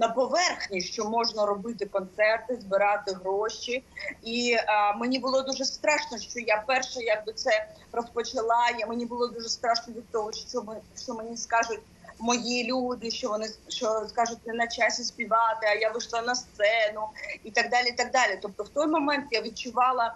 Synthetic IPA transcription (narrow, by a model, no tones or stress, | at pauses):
nɐpɔʋɛrxnʲiʃt͡ʃɔmɔʒnɐɾɔbɪt̪ɪkɔnt̪sɛrt̪ɪzbɪɾɑt̪ɪɦɾɔʃiimenʲibʊlˠɔd̪uʒɛst̪ɾɑʃnɔʃt͡ʃɔjapɛrʃɛjɐɡ̚bɪt̪sɛ | rɔspɔt͡ʃɪlˠɑjamenʲibʊlˠɔd̪uʐɛst̪ɾɑʃnɔʋʲid̪̚t̪ɔɦɔʃt͡ʃɔmʃt͡ʃɔmenʲiskɑʒʊtʲ | mɔjilʲud̪ɪʃt͡ʃɔʋɔnɪʃt͡ʃɔskɑʒʊt̚ʲnɛnɐt͡ʃasʲisʲpʲiʋɑt̪ɪɐjaʋɪʃlˠɑnɐst̪sɛnʊit̪ɐɡ̚d̪ɑlʲiit̪ɐɡ̚d̪ɑlʲit̪ɔp̚t̪ɔwt̪ɔjmɔmɛnt̪jaʋʲid̚t͡ʃʊʋɑlˠɐ